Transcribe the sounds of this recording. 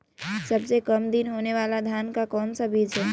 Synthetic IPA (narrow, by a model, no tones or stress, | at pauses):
səbsekəmd̪inɦoːneʋaːlad̪ʱjaːnkakɔːnsabʱiːd͡ʒɦɛː